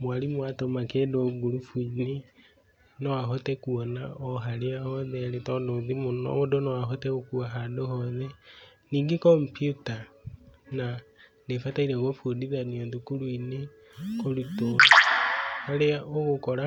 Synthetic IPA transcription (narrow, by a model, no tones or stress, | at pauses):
mwaɾimwatomakedoɡuɾufuɲiɾi | nowaɦotɛkuɔnaɔɦaɾeahɔðɛaɾetɔndoːðimonɔ̰odonawaɦotɛokuaɦadohɔðɛniːŋɡikɔmpjuta | nanefataiɾeɣofudiðanoðukulwine | koluto | haɾeaoɣokɔɾa